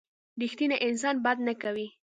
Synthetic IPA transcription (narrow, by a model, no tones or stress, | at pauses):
ɾixt̪inaʔɪns̬ɑnbad̪nakawi